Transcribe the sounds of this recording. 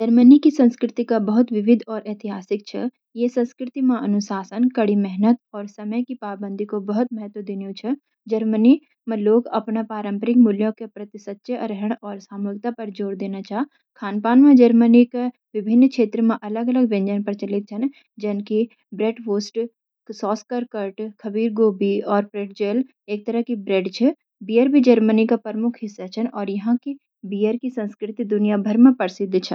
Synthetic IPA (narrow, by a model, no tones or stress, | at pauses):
d͡ʒəɾmənikisə̃nskɾɪt̪ikabəɦʊt̪ʋɪʋɪd̪ʱɔːɾʔeːt̪ɪɦaːsɪk̚t͡ʃʰɛ̰ | jesə̃nskɾɪt̪imãʔɐnʊsaːsənkɐɽimɛɦnət̪ɔːɾsɐməjkipaːbə̃nd̪ʱikobəɦʊt̪məɦət̪wəd̪ɪnijõt͡ʃʰɛ | d͡ʒəɾməni | mẽloːɡɐpnapaːɾə̃mpəɾɪk̚mʊljõkepɾət̪ɪsət̪ːʃəɾəɦəɽ̃ɔːɾsaːmuːɡ̚t̪apɐɾd͡ʒoːɽd̪eːnat͡ʃaː | kʰaːnpaːnmẽd͡ʒəɾmənike | ʋɪbʱɪnːkʃeːt̪ɾəmẽʔɐləɡɐləɡʋẽɲd͡ʒənpɐɾt͡ʃɐlɪt̪̚t͡ʃʰɐn | d͡ʒɐnki | bɾeːʈʋoːsʈ | sɔːskəɾkəɾʈkʰɐbiːɾɡoːbiɔːɾpɾeːɖ̚d͡ʒeːl | eːk̚t̪ɐɾəɦkibɾeːɖt͡ʃʰe | biːəɾbʱid͡ʒəɾmənikapəɾəmʊkʰɦɪsːat͡ʃʰɐnɔːɾjɐɦãki | bijəɾkisə̃nskɾɪt̪id̪ʊnijabʱəɾmẽpɐɾsid̪t͡ʃʰɐ